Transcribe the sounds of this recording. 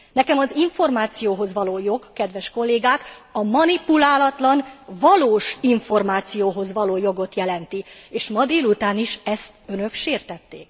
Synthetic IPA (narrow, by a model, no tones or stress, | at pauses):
nɛkɛmɒziɱfo̞rmaːt̪sijoːɦo̞zʋɒloːjo̞ɡkːɛd̪ʋɛʃko̞lːeːɡaːkɒmɒnipulaːlɒt̪lɒnvɒloːʃiɱfo̞rmaːt̪sijoːɦo̞zvɒloːjo̞ɡo̞t̪jɛlɛnt̪ieːʃmɒd̪eːlut̪aːniʃɛst̪ønø̞kʃeːrt̪ɛt̪ːeːk̚